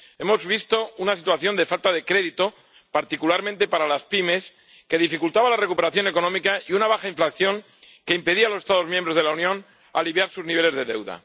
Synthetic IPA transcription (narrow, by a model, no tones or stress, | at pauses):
e̞mo̞zβist̪o̞unasit̪waθjo̞nd̪e̞falt̪aðe̞kɾeðit̪o̞ | paɾt̪ikulaɾmẽ̞nt̪e̞paɾalaspime̞s | ke̞ð̞ifikult̪aβalarekupe̞ɾaθjo̞ne̞ko̞nõ̞mikaiunaβ̞axaiɱflakθjo̞ŋ | ke̞impe̞ðialo̞sest̪að̞o̞zmjembɾo̞zðelaunjõ̞n | a̰liβjaɾsuzniβ̞e̞le̞zðe̞ðe̞̰wða̰